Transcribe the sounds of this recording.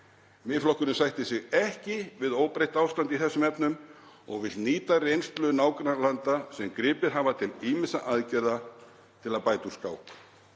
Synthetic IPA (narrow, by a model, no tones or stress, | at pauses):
mɪflɔhkʏnʏmsajht̪ɪsɪɣɛhcɪvɪðoːwpɾejht̪aːwfst̪ant̪iθɛsːʏmɛpnʏm | ɔɣvɪlniːt̪arejnst̪lʏnaːwkɾalant̪asɛmkɾɪːpɪɾ̥ɦavat̪ʰɪliːmɪsaʔaðcɛɾða | t̪ʰɪlaðpaːjt̪uskaːwk